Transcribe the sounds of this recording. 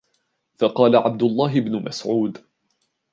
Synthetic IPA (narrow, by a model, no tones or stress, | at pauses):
fɑqɑːlaʕab̚d̪ʊlˤːɑːɦɪbnʊmasʕuːd̪